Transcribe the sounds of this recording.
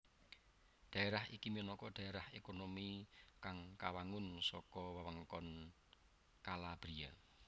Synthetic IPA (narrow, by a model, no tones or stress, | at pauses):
d̪̥a̤eɾahikiminɔkɔd̥ä̤eɾahekonomikaŋkawaŋʊnsɔkɔwawaŋkɔn | kalab̥ɾia